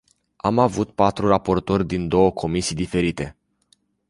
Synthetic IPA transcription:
amavut̪pat̪ɾurapo̞rt̪o̞rʲd̪ind̪o̞wəkʰo̞misijd̪ife̞ɾit̪e̞

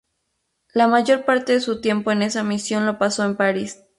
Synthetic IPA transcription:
lamaʝo̞ɾpaɾt̪e̞ðesut̪je̞mpo̞ene̞samisjo̞nlo̞paso̞empaɾis

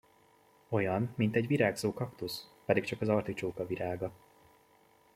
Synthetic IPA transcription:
o̞jɒnmint̪ɛɟviɾaːɡzoːkɒkt̪uspɛd̪ikt͡ʃɒkɒzɒrt̪it͡ʃoːkɒviɾaːɡɒ

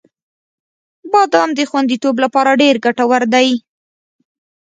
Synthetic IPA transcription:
bɑd̪ɑmd̪əxwand̪it̪oblapɑɾaɖeɾɡaʈawaɾd̪aj

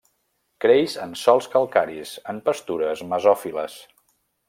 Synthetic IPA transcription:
kɾejzənsɔlˠskəlˠkaɾisəmpəst̪uɾəzməzɔfiləs

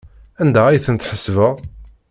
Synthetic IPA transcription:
ænd̪ææjθənt̪ħəsːvəʁ

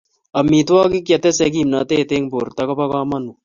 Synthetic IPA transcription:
ɐmit̪waːkikjɐt̪esekiːmnat̪eːt̪eŋboɾt̪ɐkɐpɐkaːmɐnu

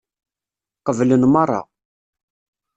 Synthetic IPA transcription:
qəvlənmɑrˤːɑ̰

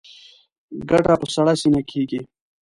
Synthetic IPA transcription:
ɡɐʈaposɐɽasinakʰiɡi

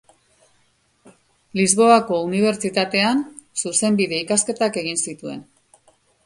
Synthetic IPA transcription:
lizβo̞ako̞uniβ̞e̞ɾt͡ʃit̪at̪e̞an | suse̞mbiðe̞ikaske̞t̪ake̞ɣinsit̪ue̞̰n

